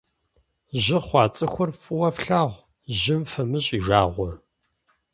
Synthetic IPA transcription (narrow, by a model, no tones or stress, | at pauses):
ʑɪχʷɑːt͡sʼɨxʷʊrfʼɨwɐfɬaːʁʷ | ʑɪmfɐmɨɕʼiːʒaːʁʷɔ